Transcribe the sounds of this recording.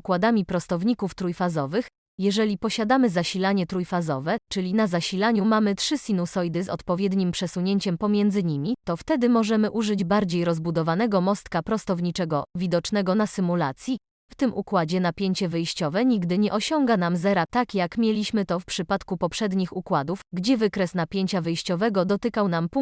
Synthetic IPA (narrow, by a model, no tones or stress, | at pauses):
ukwad̪amʲipɾɔst̪ɔvɲikuft̪ɾujfazɔvɘx | jɛʐɛlʲipɔɕad̪amɘzaɕilaɲɛt̪ɾujfazɔvɛt͡ʂɘlʲinazaɕilaɲumamɘtʂɘsʲinusɔjd̪ɘzɔ̰t̪pɔvʲjɛd̪ɲimpʂɛsuɲeɲt͡ɕɛmpɔmʲjɛnd̪zɘɲimʲit̪ɔft̪ɛd̪ɘmɔʐɛmɘʔuʐɘd͡ʑbaɾd͡ʑejɾɔzbud̪ɔvanɛɡɔmɔst̪kapɾɔst̪ɔvɲit͡ʂɛɡɔvʲid̪ɔt͡ʂnɛɡɔnasɘmulat̪sʲji | ft̪ɘmukwad͡ʑɛnapʲjeɲt͡ɕɛvɘjɕt͡ɕɔvɛɲiɡd̪ɘɲɛʔɔɕɔŋɡanamzɛɾat̪akjakmʲjelʲiɕmɘt̪ɔfpʂɘpat̪kupɔpʂɛd̪ɲixukwad̪ufɡd͡ʑɛvɘkɾɛsnapʲjeɲt͡ɕavɘjɕt͡ɕɔvɛɡɔd̪ɔt̪ɘkawnampu